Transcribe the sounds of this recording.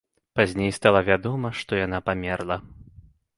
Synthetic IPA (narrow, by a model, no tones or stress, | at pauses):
pazʲnʲejst̪alˠavʲad̪ɔmɐʂt̪ɔjanapamʲɛrlˠɐ